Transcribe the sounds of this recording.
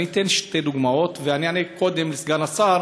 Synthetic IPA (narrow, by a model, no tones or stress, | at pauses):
nit̪enʃted̪uɡmao̞t̪veanianeko̞d̪e̞mlesɡanasa